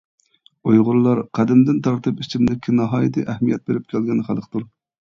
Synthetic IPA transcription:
ojʁʊɾlˠːɑɾqʰæd̪ɪmd̪ɪnt̪ʰɑɾt̪ʰɨpit͡ʃʰɪmnɪkʲʰːɪnɑɦɑːjd̪ɨʔɛhmijɛt̪̚beɾɪp̚kʲʰælɡʲɛnχælˠəqʰt̪uɾ

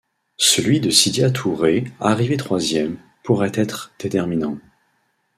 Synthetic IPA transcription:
səlɥid̪əsid̪jat̪ʰuʁeaʁivet̪χwazjɛm | puʁɛt̪ɛt̪χd̪̥et̪ɛʁminɑ̃

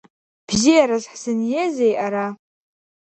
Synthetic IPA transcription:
b̥zijaɾazħsɨnjezejʔaɾa

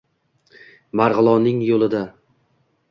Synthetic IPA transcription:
maɾʁɨlˠɒnɪŋjolˠɪd̪a

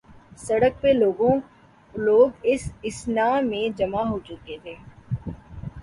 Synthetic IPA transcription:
sɐɽək̚peloːɡõː | loːɡɪsɪsnaːmẽd͡ʒɐmaɦoːt͡ʃʊket̪ʰeː

